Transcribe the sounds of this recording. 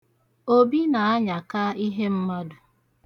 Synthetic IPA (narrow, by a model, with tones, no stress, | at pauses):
o˦bi˦na˨a˦ɲa˨ka˦i˦ɦe˦m̩˦ma˦dʊ˨